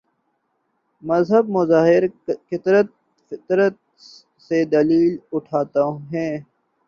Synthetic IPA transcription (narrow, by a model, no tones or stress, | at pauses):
məzɦəbmʊzaːɦɪɾkɪt̪ɾət̪̚ | fɪt̪ɾət̪̚ | sed̪ɐliːlʊʈʰaːt̪ãɦɛ̃ː